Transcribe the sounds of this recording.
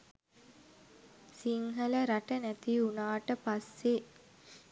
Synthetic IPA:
siŋɦələɾaʈənæt̪iunaːʈəpasːe

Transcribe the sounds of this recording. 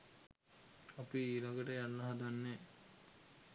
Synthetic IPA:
apiːlaɡəʈəjalːɐɦad̪anːe

